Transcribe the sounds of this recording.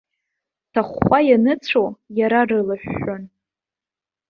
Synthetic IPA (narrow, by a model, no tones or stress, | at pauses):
tʰaχːʷajanɨt͡sʷʰojaɾarɨlaħᶣʷːon